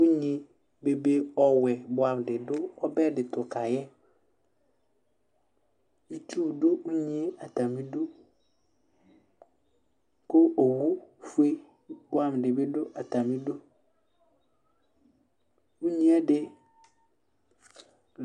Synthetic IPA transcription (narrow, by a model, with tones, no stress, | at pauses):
u˦ɲĩ˦ | be˨be˦ɔ˦wɛ˨bʊ˨˦a˨m˨dɪ˨dʊ˦ɔ˦bɛ˦dɪ˨tʰʊ˨kʰa˨jɛ˦ | i˦tʰu˦˨dʊ˦u˦ɲĩ˦e˦a˨tʰa˨mĩ˦do˦ | kʊ˦ʔo˨wu˦fu˦e˦ | bʊ˦a˦m˨dɪ˨bɪ˦dʊ˦ʔa˨tʰa˨mĩ˦do˦ | u˦ɲĩ˦ɛ˦dɪ˦